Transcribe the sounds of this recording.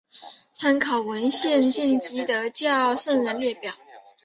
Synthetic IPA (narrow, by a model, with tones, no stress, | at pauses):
t͡sʰa˥nkʰɑ˨˩ʊwə˧˥nɕjɛ˥˧nt͡ɕɛ˥˩nt͡ɕi˧˥d̪ə˨˩t͡ɕjɑ˥˧ʊʂə˥˩ŋɻə˧˥nljɛ˥˩pjɑ˨˩˦ʊ